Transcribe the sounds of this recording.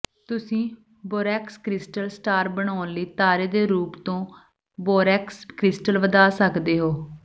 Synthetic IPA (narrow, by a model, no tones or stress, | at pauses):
t̪ʊsĩː | boːɾɛːkskɾɪsʈəlsʈaːɾbəɳ̃aːnliːt̪aːɾeːd̪eːɾuːpt̪õː | boːɾɛːkskɾɪsʈəlʋəd̪aːsəkd̪eːɦoː